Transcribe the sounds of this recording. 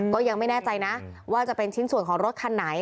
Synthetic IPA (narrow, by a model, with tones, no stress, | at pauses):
kɔː˥˩ja˧ŋma˥˩jnɛː˥˩t͡ɕa˧jna˦˥waː˥˩t͡ɕa˨˩pe˧nt͡ɕʰi˦˥nsu˨˩ənkʰɔː˩˦ŋɾo˦˥t̪̚kʰa˧nːa˩˦j